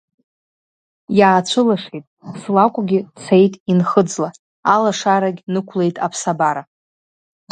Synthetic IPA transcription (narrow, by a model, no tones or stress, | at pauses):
jaːt͡ʃʷʰɨlaʂejtʼslakʷʼʊɡʲɪt͡sʰejtʼinχəd͡zla | alaʂaɾaɡʲnɨkʷʰle̞jtʼapʰsabaɾa